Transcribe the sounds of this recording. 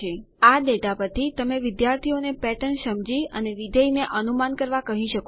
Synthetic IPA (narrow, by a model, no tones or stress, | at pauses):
e | ad̪eʈapəɾt̪ʰit̪əmeʋɪd̪jaɾt̪ʰionepɛʈəɳʃəmd͡ʒiəneʋɪd̪əjneʔənumankəɾʋakəɦiʃəko